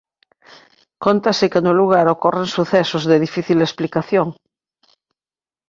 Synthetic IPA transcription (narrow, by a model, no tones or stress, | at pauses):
kont̪asekenuluɣ̞aɾokoreŋsuθesozðeðifiθilesplikaθjoŋ